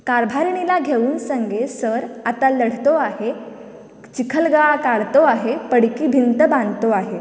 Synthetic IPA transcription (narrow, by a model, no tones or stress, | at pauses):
kaɾbʱaɾɳilaɡʱeʋuːnsəŋɡʱesəɾat̪aləɽ̤t̪oaɦe | t͡ɕikʰəlɡakaɽt̪oaɦepəɽkiːbʱint̪əbãnt̪oaɦe